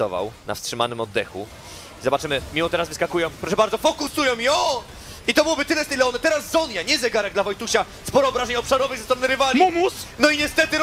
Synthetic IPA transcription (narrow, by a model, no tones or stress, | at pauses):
ɔva̰wna̰fstʂɘma̰nɘmɔd̪ːɛxṵ | zɔbat͡ʂɘmɘmʲiɔt̪ɛɾazvɘskakujɔ̃pɾɔʂɛbaɾd̪zɔfɔkusujɔ̃w̃mjɔ | it̪ɔbɘwɔbɘt̪ɘlɛst̪ɛjlɛɔnɛt̪ɛɾasːɔnjaɲɛzɛɡaɾɛɡd̪lavɔjt̪uɕa | spɔɾɔːbɾaʒɛɲɔpʂaɾɔvɨɣzɛst̪ɔmnɛɾɨvaɾʲiumusnɔiɲɛst̪ɛt̪ɘ